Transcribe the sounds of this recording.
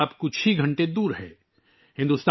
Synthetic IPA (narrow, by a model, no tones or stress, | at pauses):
apkʊt͡ʃʰiɡʱɐ̃ɳʈed̪uːɾɦɛ̰ː | hɪ̃nd̪ust̪